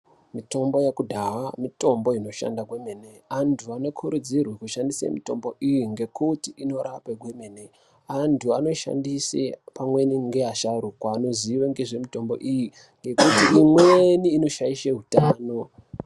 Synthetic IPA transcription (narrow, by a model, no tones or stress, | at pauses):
mito̞mbo̞jekudʱaɦamito̞mbo̞ino̞ʃa̰ndaɡwe̞meneantʰuano̞kʰuɾud͡zirwekuʃandisḛmito̞̰mbo̞ʔijiŋɡe̞kutiʔino̞ɾapeɡwe̞mene | antʰuano̞ʃa̰ndisḛpamwe̞niŋɡeaʃaɾukwaano̞ziʋeŋɡe̞ʐe̞mito̞mbo̞̰ʔiji | ŋɡe̞kutiimweniːno̞ʃaiʃeɦutaːno̞